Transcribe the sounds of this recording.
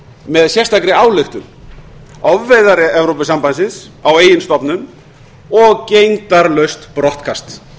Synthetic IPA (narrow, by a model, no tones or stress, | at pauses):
mɛðsjɛr̥st̪akɾɪaːwlɪxt̪ʏm | ɔvːejðaɾɪɛvɾowpɪsampansɪns | aweːjɪnst̪ɔpnʏm | ɔɣcejŋt̪aɾlœɥst̪pɾɔht̪kʰast̪